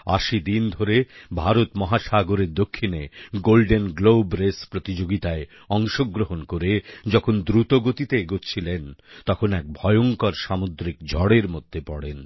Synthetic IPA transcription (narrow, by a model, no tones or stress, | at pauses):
a̰ʃid̪ind̪ʱoɾebʱaɾot̪mɔɦaʃaɡoɾeɾd̪okʰːineɡolɖenɡlobɾespɾot̪id͡ʑoɡit̪ae | ɔŋʃoɡɾoɦonkoɾed͡ʑɔkʰond̪ɾut̪oɡot̪it̪eɡott͡ɕʰilent̪ɔkʰonɛk̚bʱɔjoŋkɔɾʃamod̪ɾikd͡ʑʱɔɽeɾmod̪ʱːepɔɽen